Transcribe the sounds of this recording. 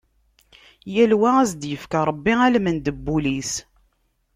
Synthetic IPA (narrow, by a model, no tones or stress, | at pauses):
jælwææzd̪jəfkaɾˤəbːiælmənd̪əbːulis